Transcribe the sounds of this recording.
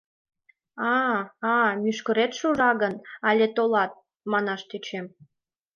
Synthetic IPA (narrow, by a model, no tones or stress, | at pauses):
ɑɑmyʃkə̆ɾet̪ʃuʒɑɣənɑlʲet̪olɑt̪̚ | mɑnɑʃt̪et͡ɕem